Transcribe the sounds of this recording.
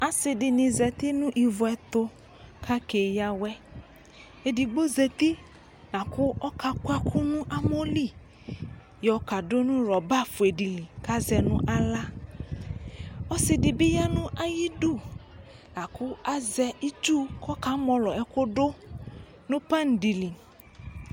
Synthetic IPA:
a˨sɪ˨dɪ˨nɪ̃˨zɛ˨t̪ɪ˦nʊ̃˦ʔi˨vʊ˨ɛ˨t̪ʊ˦ | kʰa˦ke˨ja˦wɛ˦ | e˨di˨ɡ͡bo˦ze˨t̪i˦ | nã˨kʊ˦ɔ˦ka˨kʊ˦ɛ˦kʰʊ˦nʊ̃˦ʔa˦mo˦li˦ | jɔ˨ka˨dʊ˦nʊ̃˦ɾɔ˨ba˦fʊ˨e˨di˨li˨ka˦zɛ˨nʊ̰̃˦ʔa˦la˦ | ɔ˦sɪ˨dɪ˨bɪ˦ja˦nʊ̃˦ʔa˦ji˦du˦˨ | na˨kʊ˦a˦zɛ˦i˦d͡ʒu˦kʰɔ˦ka˨˦mɔ˨lɔ˨ɛ˨kʊ˦dʊ˦ | nʊ̃˦pa˦n̩˨di˨li˨

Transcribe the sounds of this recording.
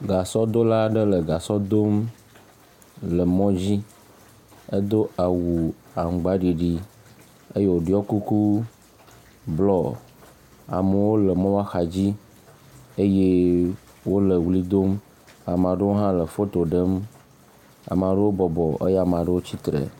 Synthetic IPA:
ɡa˨sɔ˦d̪o˦la˦ɖə˦lə˨ɡa˨sɔ˦d̪o˦m | lə˨mɔ̃˦d͡ʑi˦ | ə˦d̪o˦ʔa˨wu˨ | a˨ŋ̩˨ɡ͡ba˦ɖi˨ɖi˦ | e˦je˦wo˨ɖi˦ɔ˦ku˦ku˦ | blɔ˦ | a̰˨mə˨wo˦lə˨mɔ̃˦wa˦xa˨d͡ʑi˦ | e˦je˦ | wo˦lə˨wli˦d̪o˦m | a˨mã˨ɖə˦wo˦ɦã˦lə˨fo˦t̪o˨ɖə˦m | a̰˨mã˨ɖə˦wo˦bɔ˨bɔ˨ʔə˦ja˨mã˨ɖə˦wo˦t͡ɕi˦t̪ɾḛ˨

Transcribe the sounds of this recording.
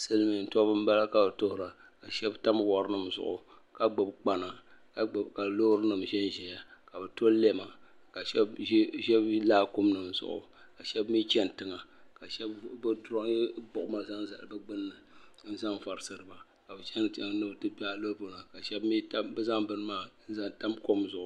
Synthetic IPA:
sɨ˦lmi˨n̩˨tɔ˦bɨ˦m̩˦ba˦la˦ka˨bɨ˨to˦hʊ˨ɾa˨ | ka˨ʃɛ˦bta˦m˦wɔ˨ɾɨ˦nɨ˦mzʊ̰˨ʔʊ̰˨ | ka˨ɡ͡bo˨bk͡pa˨na˨ka˨ka˨lo˦hɾɨ˦nɨ˨mʃɛ˦n˦ʒɛ˨ja˨ka˨bɨ˨to˦lɛ˦ma˨ | ka˨ʃɛ˦bʒɛ˦blaː˦ko˦mnɨ˨mzʊ̰˨ʔʊ̰˨ | ka˨ʃɛ˦bmi˦t͡ʃɛ˦n˨tɨ˨ŋa˨ka˨ʃɛ˦bbdɾbʊ˨ʔʊ˦ma˦za˦nza̰˨lɨ˨bɨ˦ɡ͡bɨ˦nːɨ˨n̩˦za˦mva˨ɾɨ˨sɨ˨ɾɨ˨ba˨ | ka˨bɨ˨t͡ʃɛ˦n˨nɨ˦btɨ˦pi˦a˦lo˦lbo˦na˨ka˨ʃɛ˦bmi˦ta˦bɨ˦za˦mbɨ˨nɨ˦maː˦˨n̩˦za˦nta˦mko˦mzʊ˨ʔʊ˨

